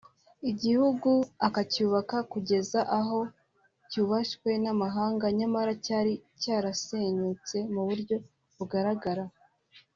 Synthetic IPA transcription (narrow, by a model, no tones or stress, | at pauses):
iɟihuɡuakacuːβakakuɟe̞zaʔaɦo̞ | cuːβaʃkwe̞namaɦaːŋɡaɲamaɾacaːɾicaːɾase̞ɲut͡se̞muβuɾɟo̞ | βuɡaɾaɡaɾa